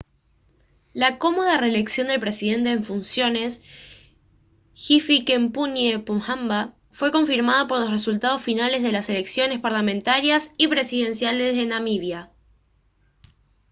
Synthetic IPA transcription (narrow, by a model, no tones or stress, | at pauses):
lako̞mo̞ð̞are̞le̞ksjo̞nd̪e̞lpɾe̞siðe̞nt̪e̞ːɱfunsjo̞ne̞s | xifikempunjepumxamba | fwe̞ko̞ɱfiɾmað̞opo̞ɾlo̞sresult̪að̞o̞sfinale̞zð̞e̞lase̞le̞ksjo̞ne̞spaɾlamẽ̞nt̪aɾjasipɾe̞siðe̞nsjale̞se̞namiβja